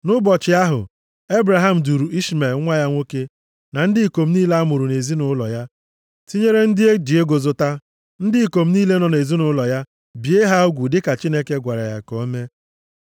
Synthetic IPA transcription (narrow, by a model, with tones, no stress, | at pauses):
nʊ˦bɔ˨t͡ʃɪ˨a˦ɦʊ̰˨ | e˦bɾa˨ɦa˦m̩˨du˨ɾu˨ʔi˦ʃme˨lŋʷa˦ja˦ŋʷo˦ke˦ | na˨n̩˦dɪ˦˨ko˨m̩˦niː˦le˦a˦mʊ˨ɾu˨ne˨zi˦nʊ˦lɔ̰˨ja˦ | ti˦ɲe˦ɾe˦n̩˦dɪ˦e˦di˨e˦ɡo˨zʊ˨ta˦ | n̩˦dɪ˦i˨ko˨m̩˦niː˦le˦nɔ˨ne˨zi˦nʊ˦lɔ˨ja˦ | bi˨e˦ɦa˦o˦ɡʷu˨dɪ˦ka˨t͡ʃi˦ne˦ke˦ɡʷa˨ɾa̰˨ja̰˨ko˦me˦